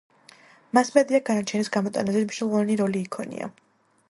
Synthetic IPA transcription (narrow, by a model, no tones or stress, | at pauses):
masmɛd̪iaɡanat͡ʃʰɛnisɡamɔt̪ʼanazɛmiʃnɔlˠɔvaniɾɔliːkʰɔnḭa̰